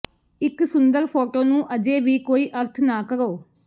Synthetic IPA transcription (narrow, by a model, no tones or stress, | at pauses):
ɪksʊnd̪əɾpʰoːʈoːnũːʔəd͡ʒeːʋiːkoːiːʔəɾt̪ʰnaːkəɾoː